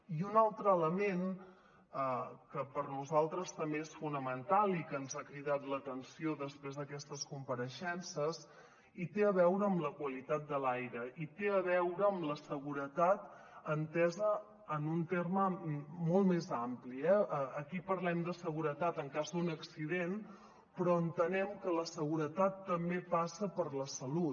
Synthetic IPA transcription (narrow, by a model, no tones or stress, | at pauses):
iunalˠt̪ɾəːləmen | əkəpəɾnuzalˠt̪ɾəst̪əmbeesfunəmənt̪alˠikənzakɾiðat̪lət̪ənsioðəspɾezðəkɛst̪əskumpəɾəʃɛnsəs | it̪eəβɛwɾəːmləkwəlit̪at̪̚d̪əlajɾəit̪eəβɛwɾəːmləsəɣuɾət̪at̪̚ | ənt̪ɛzəː | nunt̪erməmɔlˠtmezampliɛəəkipəɾlɛmd̪əsəɣ̞uɾət̪at̪əŋkazunəksiðen | pɾɔənt̪ənɛmkələsəɣuɾət̪at̪ːəmbepasəpəɾləsəlu